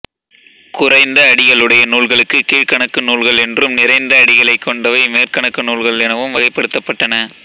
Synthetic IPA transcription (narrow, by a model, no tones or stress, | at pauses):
kʊrɐɪnd̪ɐːɽɪɣɐɭɯɽɐjɐnuːɭɣɐɭɯkːɯkiːɻkɐɳɐkːɯnuːlɣɐɭɛndrɯmnɪɾɐɪnd̪ɐːɽɪɣɐɭɐɪkːɔɳɖɐʋɐɪmeːrkɐɳɐkːɯnuːɭɣɐɭɛnɐʋɯmʋɐɣɐɪpːɐɽɯt̪ːɐpːɐʈːɐnɐ